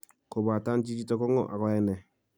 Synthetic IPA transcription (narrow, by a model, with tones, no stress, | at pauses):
ko˨ba˨ta˦nt͡ʃi˦d͡ʒi˦tɔ˦kɔ˦ŋɔ̰˦˨ʔa̰˨kɔ˦ɛ˦nɛ˨